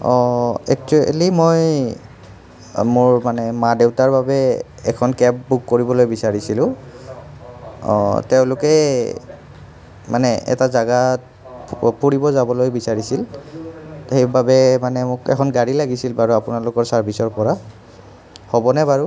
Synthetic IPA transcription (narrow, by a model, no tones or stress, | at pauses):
ɔɛ̰k̚t͡ʃuɛ̰limoj | mʊɹmanɛmadewtaɹbabɛ | ɛ̰kʰɔnkɛpbukːoɹibɔlojbisaɹisilʊ̃ | ɔ̰teʊ̃lʊkɛ | mʔanɛɛ̰tazaɡat | puɹibɔzabɔlojbisaɹisil | xejbabɛmanɛmʊkɛ̰kʰɔnɡaɹilaɡisilbaɹuapʊnalʊkɔɹsaɹbʱisɔɹpɔɹa | hobɔnɛbaɹu